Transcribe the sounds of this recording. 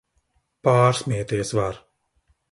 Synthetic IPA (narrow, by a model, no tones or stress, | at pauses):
paːɾsmʲiɛt̪iɛsvaɾ